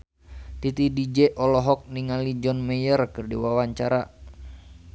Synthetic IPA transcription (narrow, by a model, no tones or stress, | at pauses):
t̪it̪idid͡ʒɛʔɔlɔɦɔk̚niŋalid͡ʒɔnmɛjərkɨrdiwawaɲt͡ʃaɾa